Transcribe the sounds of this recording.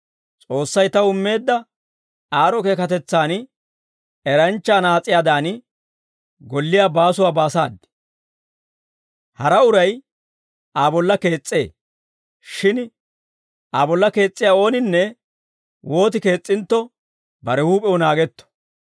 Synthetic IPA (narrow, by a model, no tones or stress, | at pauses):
t͡sʼo̞ːsːɐjt̪ɐʊmːe̞ːd̪ːɐ | aːɾɔke̞ːkɐt̪ɛt͡sːaːn | ɛɾɐnt͡ʃːaːnaːt͡sʼːɪjaːd̪aːn | ɡɔlːɪjaːbaːsʊwaːbaːsa̰ːd̪ːɪ̥ | hɐɾɐʊɾɐj | ʔaːbɔlːɐke̞ːt͡sʼːe̞̰ː | ʃɪn | ʔaːbɔlːɐke̞ːt͡sʼːɪjaːo̞ːnɪnːɛ | wʔo̞ːt̪ɪke̞ːt͡sʼːɪnt̪ːɔ | bɐɾɛhuːpʼɛwɔnaːɡɛt̪ːɔ̥